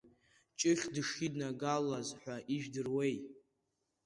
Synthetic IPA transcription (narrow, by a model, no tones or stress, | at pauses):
t͡ʃʼɪχʲdɨʂidnaɡalazħʷaʔiʒᶣdɨrwej